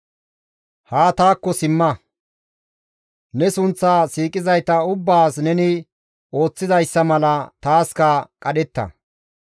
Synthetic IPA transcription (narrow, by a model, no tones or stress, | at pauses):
haːt̪aːkːɔsɪmːɐ | nɛsʊnt͡sːaːsiːkʼɪzɐjt̪ɐʊbːaːsnɛnɪ | o̞ːt͡sːɪzɐjsːɐmɐlɐt̪aːskɐkʼɐɗɛt̪ːɐ̰